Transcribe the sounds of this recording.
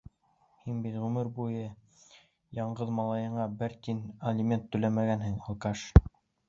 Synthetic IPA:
hinbit̪ʁʉmɘɾbujɤ | jɑɴɢɤðmɑlˠɑjɤ̆ɴɑbɘɾt̪inɐlʲimʲent̪ːɵ̆læmæɡænhɘŋŏlˠkɑʃ

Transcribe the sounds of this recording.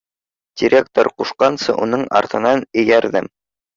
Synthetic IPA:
d̥ʲiɾʲek̚t̪oɾquʃqɑnsɤʔunɤɴʔɑ̰ɾt̪ɤ̆nɑnɵ̆jæɾðɘm

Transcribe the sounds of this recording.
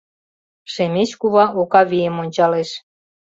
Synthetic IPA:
ʃemʲet͡ɕkuβɑʔokɑβijəmonʲt͡ɕɑleʃ

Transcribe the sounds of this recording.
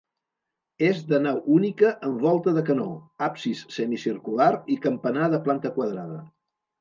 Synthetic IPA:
ezðənawʔunikəʔəmbɔlˠt̪əðəkəno̰apsisːɛmisiɾkulaɾikəmpənaðəplant̪əkwəðɾaðə

